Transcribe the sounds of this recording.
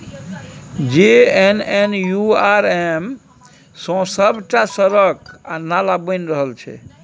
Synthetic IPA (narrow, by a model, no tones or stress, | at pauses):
d͡ʒeenenjuaɾem | sɔ̃səbʱʈasəɾək̚analabənɾəɦəlt͡ʃʰɛ̰